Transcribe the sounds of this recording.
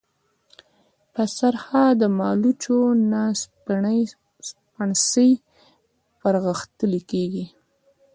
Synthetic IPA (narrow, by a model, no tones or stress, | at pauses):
pəsaɾhad̪əmɑlut͡ʃonaspaɳəj | spaɳsəj | pəɾɣəxt̪əlikeɡi